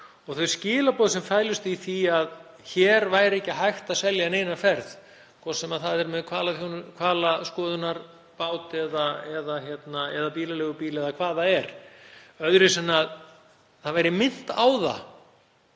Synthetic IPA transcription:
ɔɣθœɥscɪːlapɔːðsɛmfaːjlʏst̪iθiað | çɛɾvaːjɾɪɛhcːɪɦajxt̪aðsɛljaɛneːjnafɛɾð | kʰɔsɛmaðθaðɛɾmɛðkʰvaːlaθjunkʰvaːlaskɔːðʏnaɾ | paːwt̪ɛðaɛðaçjɛt̪naɛðapiːlalɛɣʏpiːlɛðakʰvaːðaɛɾ̥ | œðɾɪsɛnːað | θaðvaːjɾɪmɪn̥t̪aːwða̰

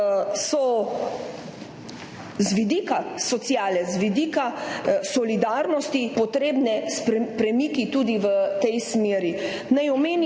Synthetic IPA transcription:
sɔ | zʋid̪ikasɔt̪sjaːlɛzʋid̪iːkasɔlid̪aɾnɔst̪ipɔt̪ɾeːbnɛsppɾɛmiːkit̪uːd̪iʋət̪ɛjsmeːɾi | najɔmeːn

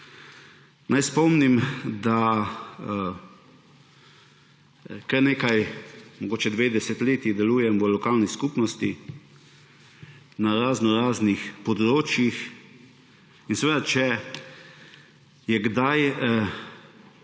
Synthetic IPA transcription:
nʔajspɔmnimd̪a | kɐɾneːkajmɔɡoːt͡ʃɛd̪ʋeːd̪ɛsɛt̪leːt̪id̪ɛluːjɛmʋəlɔkaːlniskupnɔst̪i | naɾaːznɔɾaːznixpɔd̪ɾoːt͡ʃjix | insɛʋeːd̪at͡ʃɛ | jɛɡd̪aj

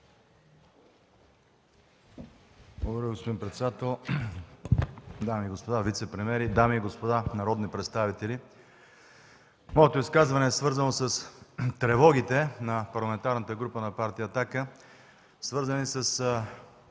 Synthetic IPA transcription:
blˠoɡɾʲiɡospod̪inpɾɛt̪sɛd̪at̪ɛlˠ | d̪amiːɡospod̪avit̪sɛpɾɛmɛɾid̪amiːɡospod̪anɐɾɔd̪nipɾɛt̪st̪avit̪ɛlʲi | mɔɛt̪oiskazvɐnɛːsvɤɾzɐnosəst̪ɾɛvɔɡ̟it̪ɛnɐpɐɾlˠɐmɛnt̪aɾnət̪əɡɾupənɐpaɾt̪ijəːt̪akə | svɤɾzənisəs

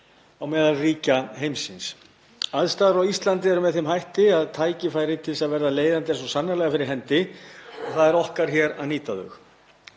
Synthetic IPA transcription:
awmɛːðalriːcaɦejmsɪns | aðst̪aːðɾawist̪lant̪̬ɪɛɾʏmɛðθɪmɦajht̪ɪaðt̪ʰaːjcɪfaːjɾɪt̪ʰɪls̬aðvɛɾðaleːjðant̪̬ɪɛɾsɔsanːalɛɣafɪɾɪɾ̥ɦɛnt̪ɪɔɣθaðɛɾɔhkaɾ̥çɛɾa̰ðniːt̪aðʏ̰x

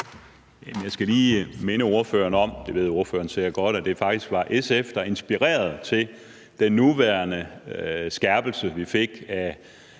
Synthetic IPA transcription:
jæmənjɑ̈ɪsɡ̥æliːme̝nəo̝ɐfø̰ːɐnɒ̽m̰d̥e̝ʋe̝ð̰ˠo̝ɐfø̰ːɐn̩seɐ̰ɡ̥ɒ̽ɾ̥æd̥e̝fɑ̈ɡ̥̚d̥isɡ̥ʋɑ̈ʔesefd̥ɑe̝nsb̥iʁɛ̰ːɐð̞̩ˠt͡sʰe̝l | d̥enːuʋæɐnəsɡ̥æɐb̥l̩səʋife̝ɡ̥æ

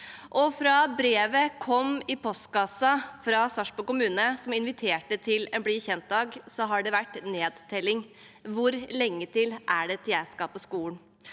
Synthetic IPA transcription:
ʔɔfɾɑbɾeːʋəkʰɔmɪpʰɔst̪kɑsɑfɾɑsɑʂpɔkʊmʉːnəsɔmɪnʋɪt̪ʰeːʈət̪ʰɪlɛnbliːçɛnt̪̚d̪ɑːɡsɔɦɑɖɛʋæʈːneːd̪t̪ʰɛlːɪŋ | ʋʊɾlɛŋːət̪ʰɪlʔæɖɛt̪ʰjæːskɑːpɔskuːən

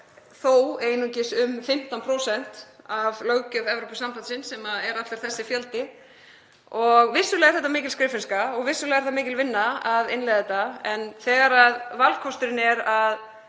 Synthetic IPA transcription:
θoweːjnucɪsʏmfɪm̥t̪anpʰɾowsɛn̥t̪avlœwcœvɛvɾowpɪsampant̪sɪnsɛmaɛɾat̪ɪɾ̥θɛsːɪfjœlt̪ɪ | ɔɣvɪsːʏlɛːɣaɾ̥θɛht̪ːamɪːcɪlskɾɪːfɪnskaɔɣvɪsːʏlɛːɣaɾ̥θamɪːcɪlvɪnːaaðɪnlɛjðɛt̪ːaɛnθɛːɣaɾaðvalkʰɔst̪ʏɾɪnɛɾað

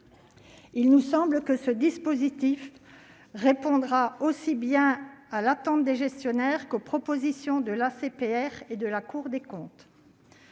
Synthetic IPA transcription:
ilnusɑ̃bləkəsəd̪ispozit̪if | ʁepɔ̃d̪ʁaosibjɛ̃alat̪ɑ̃t̪̚d̪eʒɛst̪jɔnɛʁkopχɔpozisjɔ̃d̪əlasepeɛʁed̪əlakuʁd̪ekɔ̃t̪

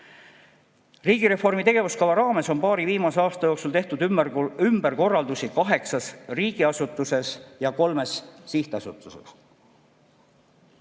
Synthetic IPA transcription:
riːɡ̥iɾe̞fo̞rmit̪e̞ɡ̥e̞vuskɑvɑɾɑːme̞so̞nmpɑːɾiviːmɑse̞ɑːst̪ɑjo̞ːksult̪e̞ht̪ud̪ymb̥eɾko̞rːɑld̪usikɑɦe̞ksɑsriːɡiɑsut̪ːˑuse̞sjɑko̞lme̞sːiht̪ɑsut̪ːˑusḛs

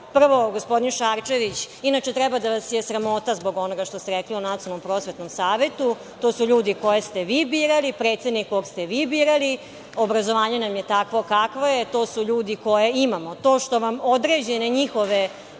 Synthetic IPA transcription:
pr̩ʋo̞ɡospo̞d̪inʃaɾt͡ʃeʋit͡ɕ | inat͡ʃet̪ɾɛbad̪aʋasjesɾamo̞t̪azbo̞ɡo̞noɡaʃt̪o̞st̪eɾekliunat̪ionompɾo̞ːsʋe̞t̪nomsaːʋe̞t̪u | t̪o̞ːsuʎuːd̪iko̞jest̪eʋiːbiːɾalipɾe̞ːt̪se̞d̪nikkoɡst̪eʋiːbiːɾali | obɾazoʋaːɲe̞namjet̪akʋo̞kakʋoje̞t̪oːsuʎuːd̪iko̞jeimamo̞t̪o̞ːʃt̪o̞ʋamo̞d̪ɾeːd͡ʑeneɲixo̞ʋe

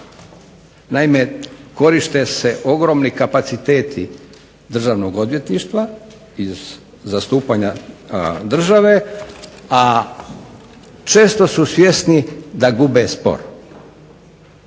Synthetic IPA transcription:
naime̞ko̞ɾiʃt̪ese̞ʔo̞ɡɾo̞ːmnikapat̪sit̪e̞ːt̪ʰi | d̪r̩ʒaːʋno̞ɡo̞d̪ʋje̞t̪niːʃt̪ʋa | izː | ast̪uːpaɲa | d̪r̩ʒaʋe̞ | a | t͡ʃe̞ːst̪o̞susʋje̞snid̪aɡubespo̰ɾ

